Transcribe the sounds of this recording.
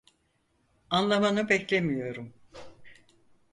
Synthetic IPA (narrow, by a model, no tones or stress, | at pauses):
anlˠamanɯbɛclʲemijo̞ɾum